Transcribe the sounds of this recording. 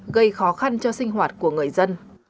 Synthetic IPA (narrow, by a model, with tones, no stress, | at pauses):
ɣə˧jxɔ˨˦xa˧nt͡ɕɔ˧sï˧ŋ̟ɦwaː˨˩t̚ku˧˩əŋɨ˨˩əjzə˧n